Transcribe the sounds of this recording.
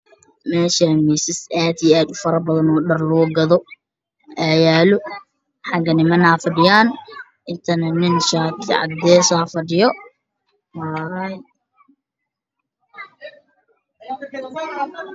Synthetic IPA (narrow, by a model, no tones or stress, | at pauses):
mɛːʃamiːsɪsʔaːd̪iaːd̪ʊfɐɾɐbɐðɐnɔːɖɐrlɔːɡɐðɔ | ʔaːjaːlʊ | ħɑɡɐnɪmɐnaːfɐɖɪjaːn | ʔɪnt̪ʰɐnɐnɪnʃaːt̪ʰɪ̰ʕɑ̰d̪ːɛːsaːfɐɖɪjɔ | waːɾɐj